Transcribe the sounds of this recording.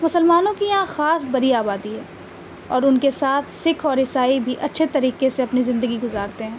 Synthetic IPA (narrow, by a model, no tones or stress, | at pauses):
mʊsəlmaːnõkijãxaːsbɐɾiaːbaːd̪iɦɛː | ɔːɾʊnkesaːt̪ʰsɪkʰɔːɾɦɪsaːibʱiʔɐtːʃʰet̪ɐɾiːqeseɐpnizɪ̃nd̪əɡiɡʊzaːɾt̪eɦɛ̃ː